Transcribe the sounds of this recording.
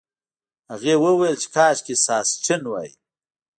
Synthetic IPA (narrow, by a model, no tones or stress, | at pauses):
haɣewəwelt͡ʃe̥kɑːʃkisɑːst͡ʃɪnwa̰ji